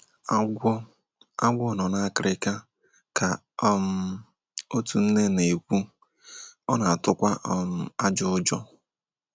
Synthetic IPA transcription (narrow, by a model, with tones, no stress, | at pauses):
a˦ɡʷɔ˨nɔ˨na˦a˦kɪ˨ɾɪ˦ka˦ | ka˨ | ɔ˦m̩˦ | o˦tu˨n̩˦ne˦ne˨kʷu˦ | ɔ˦na˨a˨tʊ˦kʷa˦ʔɔ˦m˦a˦d͡ʒʊ˦ʊ˦d͡ʒɔ˦